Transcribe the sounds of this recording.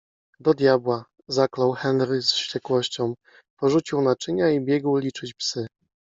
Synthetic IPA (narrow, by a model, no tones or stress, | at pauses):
d̪ɔd̪ʲjabwa | zaklawxɛnɾɘsɕt͡ɕɛkwɔɕt͡ɕɔ̃w̃ | pɔʐut͡ɕiwnat͡ʂɘɲaibʲjɛɡwlʲit͡ʂɘt͡ɕpsɘ